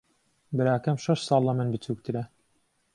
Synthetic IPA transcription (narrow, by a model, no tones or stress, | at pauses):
bɨɾaːkɛmʃɛʃsɑːlˠːɑmɨnbɨt͡sʰuːk̚t̪ɨɾɛ